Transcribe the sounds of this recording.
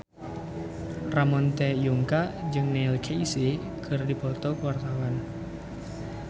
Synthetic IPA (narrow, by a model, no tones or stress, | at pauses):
ramɔnt̪ɛjuŋkaʔd͡ʒɨŋnɛlkʰeise | kʰɨrdipɔt̪ɔkəwart̪awan